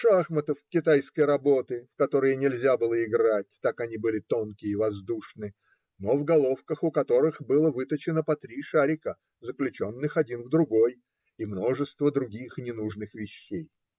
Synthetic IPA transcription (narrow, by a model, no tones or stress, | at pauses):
ʂaxmət̪əfkʲɪt̪ajskəjɾɐbo̞t̪ɨfkɐt̪o̞ɾəjənʲɪlʲzʲabɨlˠəɪɡɾat̚ʲt̪akɐnʲibɨlʲɪt̪o̞nkʲɪəivɐzd̪uʂnɨ | no̞vɡɐlˠo̞fkəxʊkɐt̪o̞ɾɨxbɨlˠəvɨt̪ət͡ɕɪnəpɐt̪ɾʲiʂaɾʲɪkə | zəklʲʉt͡ɕo̞nːɨxɐdʲinvd̪ɾʊɡo̞j | imno̞ʐɨst̪vəd̪ɾʊɡʲixnʲɪnuʐnɨxvʲɪɕːej